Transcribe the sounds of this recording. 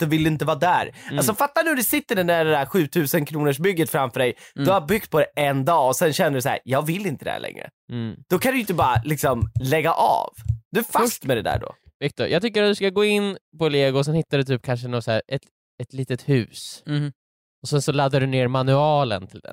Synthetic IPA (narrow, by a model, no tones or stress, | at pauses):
d̪̥ɔvɪld̪ɵɪnt̪əvɑːd̪æːɾals̬ɔfat̪ːanʉhʉɖ̪ɛsɪt̪ːəɖɛnæɖɛd̪æːɾɧʉ̟ːt̪ʰʉ̟ːsənkʰɾuːnəʂbʏɡːət̪fɾamfœːɖɛjd̪̥ɵhajabʏk̚t̪̚pʰɔd̪ɛʔɛnd̪ɑːɔsɛnɕɛnːəɖʉsæ̰ːjɑːɡvɪlːɪnt̪əd̪ɛ̰hæ̰lʔɛ̰ŋːɾə̰ | d̪̥ɔkʰand̪ɵjʏɪnt̪əbɑːɾa̰lɪksɔmlɛɡːa̰ʔɑ̰ːvd̪̥ɵɛfast̪mɛd̪ɛd̪æ̰ːɖɔ̰vɪk̚t̪ɔɾjɑːɡt̪ʰʏkːəɾat̪̚d̪ɵskaɡoːɪnːpɔleːɡʊɔs̬ɛnhɪt̪ːad̪ɛt̪ʰyːp̚kʰanʂ̬əɛnavsæ̰ːɾɛt̪ | ɛt̪liːt̪ət̪hʉ̟ːs | ɔsɛnsɔlad̪ːaɖɵneːɾmanʉɑːlə̰nt̪ʰɪld̪ɛ̰n